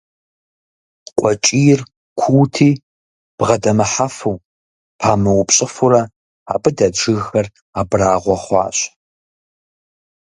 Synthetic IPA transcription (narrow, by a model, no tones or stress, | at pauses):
qʷʼɔt͡ʃʼijɪr | kʷʰuwtʰiː | b̥ʁɐdɐmɨħafɐw | pʰaːmɐwʊpɕʼɪfʊrɐ | aːbɨdɐʈ͡ʂɨɣxɐr | aːbraːʁʷɔχʷɑ̰ːɕ